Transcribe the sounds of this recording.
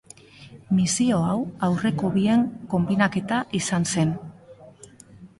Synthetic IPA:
misio̞awawre̞ko̞βie̞ŋko̞mbinake̞t̪aʔisanse̞n

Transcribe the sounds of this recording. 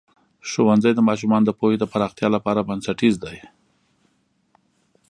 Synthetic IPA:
ʃowanzajd̪əmɑʃ̬umɑnd̪əpojed̪əpaɾɑxt̪jɑlapɑɾabansaʈizd̪aj

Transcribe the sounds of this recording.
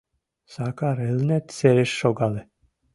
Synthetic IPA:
sakaɾɛlnɛt̪sɛɾɛʃːɔɡalɛ

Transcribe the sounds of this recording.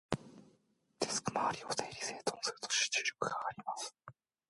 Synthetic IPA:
d̪esɨ̥kɯmaːɾʲiot̪ejɾʲiseːt̪ʰõnsɨɾɯt̪o̥ɕi̥t͡ɕi̥ɾokɯɡaːɾʲimas

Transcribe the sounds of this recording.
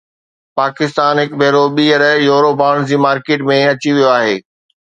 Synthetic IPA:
paːkɪst̪aːnɦɪkbʱeːɾoɓiːəɾjoːɾobaːɽ̃d͡ʑiːmaːɾkeːʈmẽɐt͡ɕiʋijoaːɦeː

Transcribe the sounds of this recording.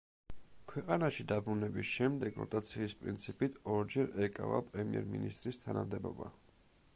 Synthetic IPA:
kʰwɛqʼanaʃid̪abɾunɛbisʃɛmd̪ɛɡ̥ɾɔ̰t̪ʼat̪sʰiːspʼɾḭnt̪sʰipʼit̪ʰɔɾd͡ʒɛɾɛkʼa̰vapʼɾɛmiɛɾminist̪ʼɾist̪ʰanamd̪ɛbɔ̰ba̰

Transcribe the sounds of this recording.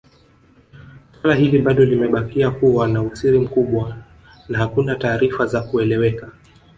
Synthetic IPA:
salaɦiliɓaɗɔlimɛɓakiakuwanaut͡siɾim̩kuɓwa | nahakunataːɾifazakuɛlɛwɛka

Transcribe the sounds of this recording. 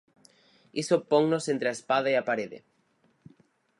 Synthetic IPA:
isopoŋnosent̪ɾeaespaðaiapaɾeðḛ

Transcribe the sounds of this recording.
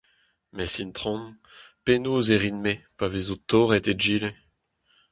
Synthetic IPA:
mɛsint̪χɔ̃n | penoːzeʁinmepavezot̪oʁɛt̪ed͡ʒiːle

